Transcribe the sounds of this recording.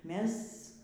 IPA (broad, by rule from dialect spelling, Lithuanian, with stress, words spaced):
ˈmʲɛs